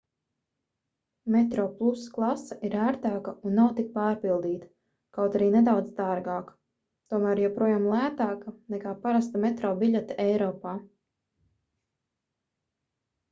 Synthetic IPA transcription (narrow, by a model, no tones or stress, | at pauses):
mɛt̪ɾɔːplˠusklˠasaʔiɾæːɾt̪aːkɐunːawt̪ik̚pɑːɾpilˠd̪iːt̪ | kawt̪aɾiːned̪awd̪zd̪aɾɡaːk | t̪uɔmæːɾjɛpɾuɔjaːmlˠæːt̪aːkɐnɛkaːpaɾast̪amɛt̪ɾɔːbiʎʲɛt̪ɛjɾɔːpaː